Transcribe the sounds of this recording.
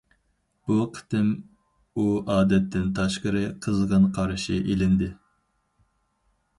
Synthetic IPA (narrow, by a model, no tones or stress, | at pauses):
b̥uqʰə̥t̪ɪm | uɑːd̪ɛt̪ʰːɪnt̪ʰɑʃqəɾɨqʰəzʁənqʰɑɾʃɪʔelɪnd̪ɪ